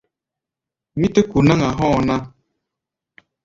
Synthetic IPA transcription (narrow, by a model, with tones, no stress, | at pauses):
mi˦tə˦ku˨na˦ŋa˨ɦɔ̃˦˨na˦